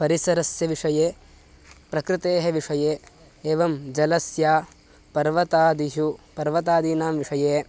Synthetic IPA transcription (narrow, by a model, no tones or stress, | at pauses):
pɐɾisɐɾɐsjɐʋiʂɐjeː | pɾɐkɾɪt̪eːɦeʋiʂɐjeː | eːʋɐmd͡ʒɐlɐsjaː | pɐɾʋɐt̪aːd̪iɦupɐɾʋɐt̪aːd̪iːnaːmʋiʂɐjeː